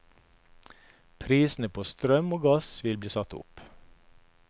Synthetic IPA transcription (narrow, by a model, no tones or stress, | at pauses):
pʰɾiːsn̩əpʰoːst̪ɾœmoːɡɑsʋɪlbliːsɑt̪ʊ̰p